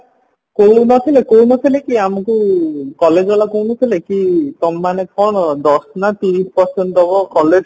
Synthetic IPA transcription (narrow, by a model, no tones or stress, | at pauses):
kowunɔt̪ʰilekownɔt̪ʰilekiamɔkukɔled͡ʒɔlakownɔt̪ʰilekit̪ɔmːanekʰɔɽ̃d̪ɔsnat̪iɾisʰpɔsenʈɔbɔkɔled͡ʒ